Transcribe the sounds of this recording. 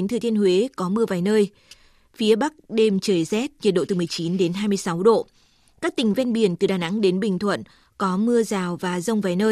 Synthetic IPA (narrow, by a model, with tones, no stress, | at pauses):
nt̪ʰɨ˨˩t̪i˧ənɦwe˨˦kɔ˨˦mɨ˧əvaː˨˩jnəː˧j | fi˨˦əɓa˦˥k̚ɗe˧mt͡ɕəː˨˩jzɛ˦˥t̚ɲi˨˩t̚ɗo̰˧˨t̪ɨ˨˩mɨ˨˩əjt͡ɕi˨˦nɗe˨˦nɦaː˧jmɨ˧əjsa˨˦wɗo̰˧˨ | kaː˦˥k̚t̪ï˨˩ŋ̟vɛ˧nɓi˨˩ənt̪ɨ˨˩ɗaː˨˩na̰˧˥ŋɗe˨˦nɓï˨˩ŋ̟t̪ʰwə̰˧˨n | kɔ˨˦mɨ˧əzaː˨˩wvaː˨˩zə˧wŋ͡mvaː˨˩jnəː˧j